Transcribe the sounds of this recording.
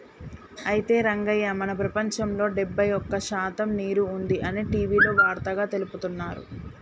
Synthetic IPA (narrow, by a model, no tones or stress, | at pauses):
ɐjit̪e̞ːɾɐŋɡɐjːɐmɐnɐpɾɐpɐɲt͡ʃɐmlo̞ːɖɛbːɐjɔkːɐʃaːt̪ɐmniːɾuːnd̪iʔɐniːʈiːʋiːlo̞ːʋaːɾt̪ɐɡaːt̪e̞luput̪unːaːɾṵ